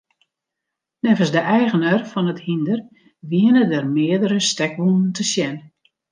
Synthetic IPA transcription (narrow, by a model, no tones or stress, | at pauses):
nɛvəsdəʔɛjɣənərfɔnəthindər | ʋiənədərmɪədəɾəstɛkʋunən̩tʰəsjɛn